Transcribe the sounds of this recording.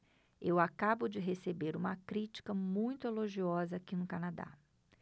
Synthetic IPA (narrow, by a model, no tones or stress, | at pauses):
ewakabʊd͡ʒɪɦesebeɾũmɐkɾit͡ʃi̥kɐmũj̃t̪ʊeloʒiɔzɐːkinʊkanad̪a̰